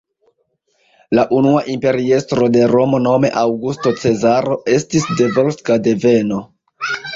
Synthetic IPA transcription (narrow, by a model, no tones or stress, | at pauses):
laʔunuaʔimpe̞ɾie̞stɾo̞de̞ɾo̞mo̞no̞me̞̰ʔawɡusto̞t͡se̞zaɾo̞ʔe̞stisde̞volskade̞ve̞no̞